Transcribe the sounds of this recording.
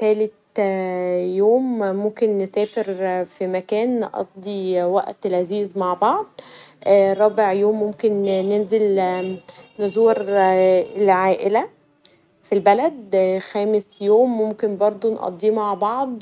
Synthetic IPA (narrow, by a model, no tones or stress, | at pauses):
t̪æːlet̪ | joːmmomkenːesæːfeɾfimækæːnːʔɑ̰d̪̚ˤːiwæ̰ʔt̪elʕaziːzmaʕbɑʕd̪̚ˤ | ɾˤɑːbeʕjoːmːomkenːenzel | nozuːɾ | elʕaːʔelæ | filbælæd̪xæːmesjoːmːomkenbɑɾˤd̪ˤonʔɑ̰d̪ˤːiːmaʕbɑʕd̪ˤ